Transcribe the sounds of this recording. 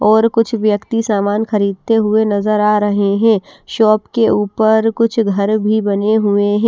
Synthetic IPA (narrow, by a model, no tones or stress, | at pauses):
ɔːɾkʊt͡ʃʰʋjəkt̪isaːmaːnxɐɾiːd̪̚t̪eɦʊenɐzəɾaːɾɐɦeɦɛ̃ːʃɔːpkeuːpəɾkʊt͡ʃʰɡʱɐɾbʱibɐneɦʊeɦɛ̃ː